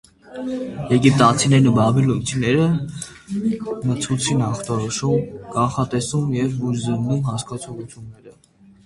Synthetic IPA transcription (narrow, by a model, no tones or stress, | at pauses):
jɛɡip̚t̪ɑt͡sʰinɛɾnubɑbilut͡sʰinɛɾə | mət͡sʰut͡sʰinɑχt̪ɔɾɔʃumkɑɴχɑt̪ɛsumjɛvːuɾzəɾd̪umɦɑskɑt͡sʰɔʁut͡sʰjunːɛɾə